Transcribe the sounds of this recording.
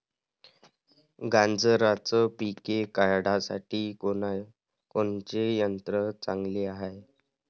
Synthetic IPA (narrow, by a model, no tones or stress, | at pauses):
ɡãnd͡zəɾat͡səpikekaɾɽasa̰ʈiːo | koɳt͡ɕejənt̪ɾət͡saŋɡleaɦe